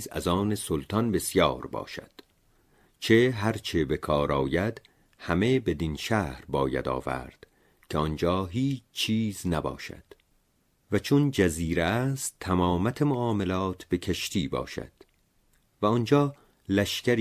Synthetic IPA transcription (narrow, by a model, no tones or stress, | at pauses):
zæ̰zɒːnesolt̪ʰɒnbe̞sjɒːɾbɒ̰ːʃæ̰d̪̥ | t͡ʃʰeɦæɾt͡ʃʰe̞be̞kʰɒːɾɒːjæd̪̥ | hæme̞be̞d̪inʃæːhɾbɒːjæ̰d̪ɒ̰ːvæ̰ɾd̪̥ | cʰeɔnd͡ʒɒːɦiːt͡ʃʰt͡ʃːʰiːznæbɒ̰ːʃæ̰d̪̥ | væt͡ʃʰond͡ʒæziːɾeæst̪ʰːæmɒːmæt̪ʰemoɒːmelɒːt̪ʰb̥e̞kʰeʃt̪ʰiːbɒ̰ːʃæ̰d̪̥ | væɔnd͡ʒɒː | læʃkcæɾ